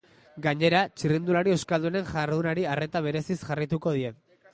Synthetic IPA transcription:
ɡaɲe̞ɾat͡ʃirind̪ulaɾie̞wskald̪uene̞ŋʝaɾðunaɾiare̞t̪aβ̞e̞ɾe̞sisʝarit̪uko̞ð̞ie̞

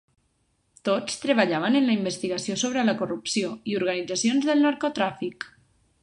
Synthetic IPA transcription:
t̪ot͡st̪ɾəβəʎaβənənləimbəst̪iɣəsiosoβ̞ɾələkurupsioiuɾɣ̞ənid͡zasionzðəlˠnaɾkot̪ɾafik

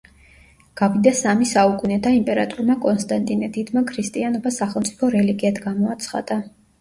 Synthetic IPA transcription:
ɡ̥abid̪asamisaukʼunɛd̪aimpʼɛɾat̪ʼuɾmakʼɔnst̪ʼant̪ʼinɛd̪id̪̥makʰɾist̪ʼianɔbasaχɛlˠmt̪ʼi̥pʰɔɾɛliɡiad̪ɡamɔat̪sʰχa̰d̪̥a

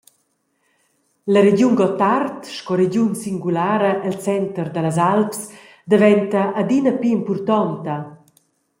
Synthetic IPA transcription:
ləɾeɟjunɡɔt̪art̪ʃkɔɾed͡ʑjunsiŋɡulaːɾəʔɛlt͡sɛnt̪əɾd̪əlazalps | d̪əvɛnt̪ɐʔːd̪inɐpiimpurt̪ɔnt̪ɐ

